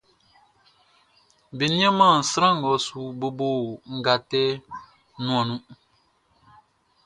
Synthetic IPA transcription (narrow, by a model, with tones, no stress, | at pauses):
bi˨nĩ˦ã˦mã˦˨n̩˨sɾã˦ŋ˨ɡɔ˨˦su˦bo˦boː˦˨ŋ̩˦ɡa˨tɛ˦ | nũ˦ɔ̃˨nũ˦